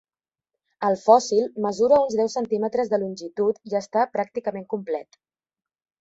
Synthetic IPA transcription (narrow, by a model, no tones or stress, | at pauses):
əlˠfɔsilˠməzuɾəunzðɛwsənt̪imət̪ɾəzðəlunʲʒit̪ut̪iəst̪apɾak̚t̪ikəmeŋkumplɛt̪